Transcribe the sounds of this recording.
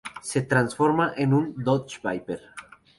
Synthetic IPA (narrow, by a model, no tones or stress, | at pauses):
set̪ɾansfoɾmaʔenund̪ot͡ʃbajpeɾ